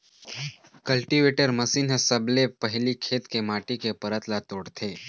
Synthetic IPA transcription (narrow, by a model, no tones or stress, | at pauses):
kɐlʈiʋeːʈəɾməsiːnɦesəblepəɦlikʰeːt̪kemaːʈikepəɾət̪lat̪oːɽt̪ʰeː